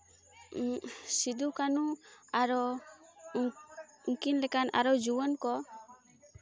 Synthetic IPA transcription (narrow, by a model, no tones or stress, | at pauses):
sid̪ukanuaɾɔ | ŋkinlɛkanʔa̰ɾɔd͡ʒuwənkɔ